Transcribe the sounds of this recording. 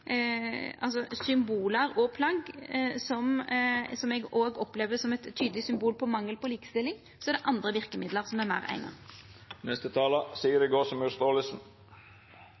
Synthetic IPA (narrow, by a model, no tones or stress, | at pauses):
ɑls̬ɔsʏmbuːləɾɔpʰlɑɡsɔmsɔmɛɡoːɡɔpleːʋəsɔmɛt̪ʰːyːd̪əlɪsʏmbuːlpʰɔmɑŋːəlpɔliːkə̥st̪ɪlːɪŋ | sɔɛɾd̪ɛʔɑnd̪ɾəʋɪɾkəmɪd̪ləɾsɔmæɾmæʁæ̰ɪnɑ̰nɛst̪ət̪ʰɑːləsiːəɾɛɡoːsɔmʉst̪oːləsn̩